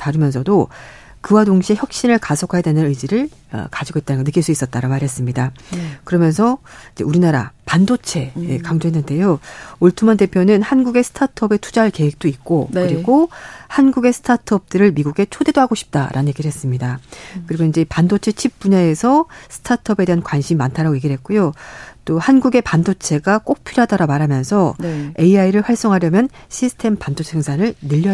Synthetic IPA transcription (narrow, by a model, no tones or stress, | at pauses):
taɾɯmjʌnsʰʌdo | kɯwadoŋɕʰieçjʌk̚ɕ͈iɾɯɭkasʰokʰajadenɯnɯd͡ʑiɾɯɭ | ʌ̰kad͡ʑiɡoit͈̚anɯnɡʌnɯk͈ːiɭs͈uis͈ʌt̚t͈aɾaɡomaɾɦe̞s͈ɯmɲidakɯɾʌmjʌnsʰʌid͡ʑe̞uɾinaɾa̰pandot͡ɕʰe̞ekaŋd͡ʑoɦenːɯnde̞jooɭtʰumande̞pʰjonɯnhanɡuɡe̞sʰɯ̥tʰatʰʌbe̞tʰu̥d͡ʑaɭke̞we̞k̚t͈oit̚k͈okɯɾiɡohanɡuɡe̞sʰtʰatʰʌp̚t͈ɯɾɯɭmiɡuɡe̞t͡ɕʰode̞doɦaɡoɕʰi̥p̚t͈a̰ɾʔa̰nnɲje̞ɡiɾɯɭɦe̞s͈ɯmɲidakɯɾiɡoind͡ʑe̞pandot͡ɕʰe̞t͡ɕʰip̚p͈uɲaesʰʌsʰɯ̥tʰatʰʌbe̞de̞ɦankwanɕʰimiːantʰaɾaɡoje̞ɡiɭɦet̚k͈ujot͈ohanɡuɡe̞pandot͡ɕʰe̞ɡak͈ok̚pʰiɾɦadaɾamaɾɦamjʌnsʰʌe̞iaiɾɯɭɸwaɭs͈ʌŋɦaɾjʌmjʌnɕʰisʰɯ̥tʰe̞mpandot͡ɕʰeŋsʰanɯɭnɯʎːʌ